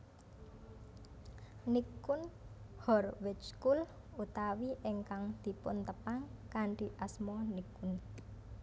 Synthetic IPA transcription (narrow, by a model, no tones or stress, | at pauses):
nikʊnhɔrwɪt͡ʃkul | ut̪awiʔeŋkaŋd̪̥i̤pʊ̰nt̪əpaŋkaɳɖiʔasmɔnikun